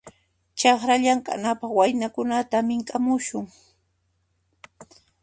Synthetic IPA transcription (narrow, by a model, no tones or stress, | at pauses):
t͡ʃɑχɾaʎaŋka̰napɑχwajnakʊnat̪amɪŋkʼamʊʃʊŋ